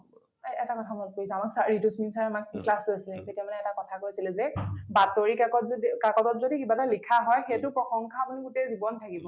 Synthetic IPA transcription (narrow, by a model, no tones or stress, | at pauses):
ɛtakɔtʰamɔlkoisɛamaksaɹitusminsaɹamakklastuasilɛketijamanɛɛtakɔtʰakoɹisilɛzɛbatoɹikakɔtikakɔtɔtzodikibatalikʰaɦɔjxetʊpɹɔxɔŋkʰaːpuniɡutezibɔntʰakibɔ